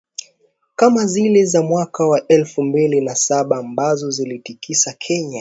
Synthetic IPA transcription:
kamazilɛzamwakawaʔɛlfumbilinasaɓaːmbazɔzilitikisakʰɛɲa

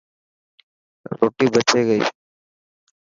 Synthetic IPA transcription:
ɾo̰ːʈiːbət͡ʃʰeːɡəḭː

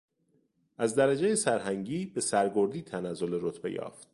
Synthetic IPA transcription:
ʔæzd̪æɾæd͡ʒejesæɾɦæŋɟiːbe̞sæɾɡo̞ɾd̪iːt̪ʰænæzːo̞leɾot̪ʰbe̞̰jɒ̰ːft̪̚

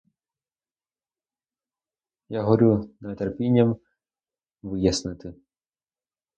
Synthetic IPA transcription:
jaɦɔɾʲunɐt̪erpʲinʲːɐm | ʋɪjɐsnɪt̪ɪ

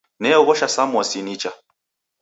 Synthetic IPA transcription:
nɛɔɣɔʃasamɔsinit͡ʃa

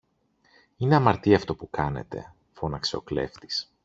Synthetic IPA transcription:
ineɐmɐɾt̪iɐft̪o̞pukɐne̞̰t̪e̞̰ | fo̞nɐkse̞o̞kle̞̰ft̪i̥s

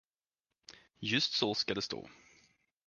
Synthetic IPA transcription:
jɵst̪sɔskad̪ɛst̪o̰ː

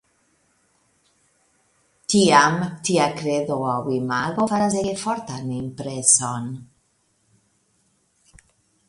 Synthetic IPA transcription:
t̪iamt̪iakɾeðoawimaɣofaɾazeefɔɾt̪animpɾeson

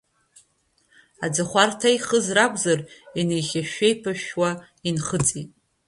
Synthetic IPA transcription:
ad͡zaχʷartʰajχəzrakʷʰʼzarinejχʲaʃᶣejpʰaʃwa | inχət͡sʼitʼ

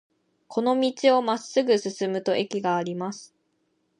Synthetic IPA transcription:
kʰo̞no̞mʲit͡ɕio̞masːɨɡɯ̟sɨsɨmɯ̟t̪o̞ʔe̞kʲiɡaːɾʲimasɨ̥

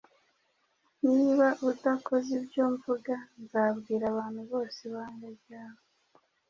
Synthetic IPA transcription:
niːβaʔudako̞zibjo̞ːɱvuɡanzaːβɡiːɾaβaːn̥huβo̞ːseβaːnɡabjaːβo

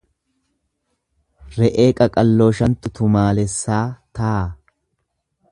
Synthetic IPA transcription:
ɾɛʔeːkʼɐkʼɐlːo̞ːʃɐnt̪ʊt̪ʊmaːlɛsːaːt̪aː

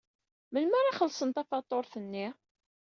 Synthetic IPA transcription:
mənməɾaχəlːsənt̪ɑfɑt̪ˤːoɾθənːi

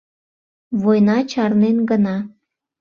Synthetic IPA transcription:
βojnɑt͡ɕɑrnenɡənɑ

